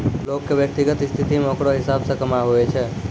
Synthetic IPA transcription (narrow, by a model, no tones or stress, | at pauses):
lokːeʋjək̚t̪iɡət̪st̪ʰit̪imokɽoɦɪsabsəkəmaɦoet͡ʃʰe